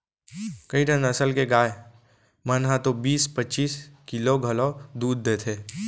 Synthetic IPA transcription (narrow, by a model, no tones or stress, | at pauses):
kɐiʈə̃nɐsəlkeɡaːe | mənɦãt̪obiːspətːt͡ʃiːskɪloɡʱɐlod̪uːd̪ːeːt̪ʰeː